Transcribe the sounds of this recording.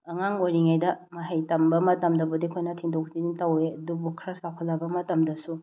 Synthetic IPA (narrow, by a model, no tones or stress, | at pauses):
ɐŋaŋojɾiŋajdɐmɐɦajtɐmbɐmɐtɐmdɐbudikʰojnɐtʰiŋdok̚ziniŋtɐweɐdubukʰɾasawkʰɐlːɐbɐmɐtɐmdɐsu